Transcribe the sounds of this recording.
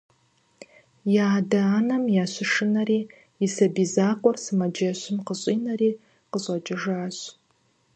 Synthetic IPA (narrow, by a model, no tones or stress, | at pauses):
jaːdɐːnɐmjaːɕʷɪʂɨnɐɾiː | jɪsɐbiːzaːqʷʼɔrsɨmɐd͡ʒɐɕʷɪmqəɕʼiːnɐɾiː | qəɕʼɐd͡ʒʼɪʒaːɕ